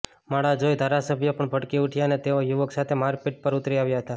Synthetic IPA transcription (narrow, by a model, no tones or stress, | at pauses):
maɽad͡ʒojd̪ʱaɾasəbʱjəpəɳbʱəɽkiʊʈʰjaənet̪eojuʋəksat̪ʰemaɾpɪʈ̚pəɾʊt̪ɾiaʋjaɦət̪a